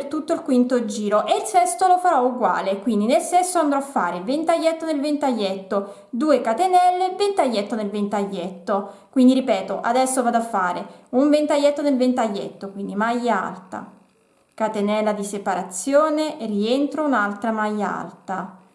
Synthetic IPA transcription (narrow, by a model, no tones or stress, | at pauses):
rt̪ut̪ːoilkwint̪od͡ʒiːɾoʔeilsɛst̪olofaɾɔuɡwa̰ːlekwind̪inelsɛsoand̪ɾɔafːa̰ːɾevent̪aʎːɛt̪ːonelvent̪aʎːɛt̪ːo | d̪uːekat̪enɛlːevent̪aʎːɛt̪ːonelvent̪aʎːɛt̪ːokwind̪iɾipɛːt̪oʔad̪ɛsːovaːd̪afːaːɾeuɱvent̪ajːɛt̪ːonelvent̪aʎːɛ̰t̪ːokwind̪imajːaa̰lt̪a̰ | kat̪enɛlːad̪isepaɾat̪sːjoːnerient̪ɾounalt̪ɾamajːa̰lt̪a